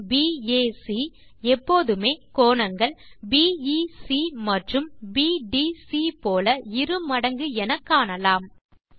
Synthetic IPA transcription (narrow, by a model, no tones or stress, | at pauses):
biːeːsi | ɛpːoːðɯmeːkoːɳɐŋɡɐɭbiːisimɐʈrɯmbiːɖiːsipoːlɐɪɾɯmɐɽɐŋɡɯɛnɐkːaːnɐlaːm